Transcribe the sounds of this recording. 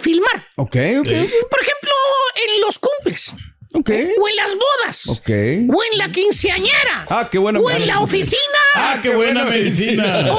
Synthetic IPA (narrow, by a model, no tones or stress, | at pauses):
filmaɾokejokepoɾexe̞mploenlo̞skumble̞sokejoe̞nlazβo̞ðaso̰kḛjoenlakinseaɲeɾaakeβwenaoenlaofisinaakeβwenameðisin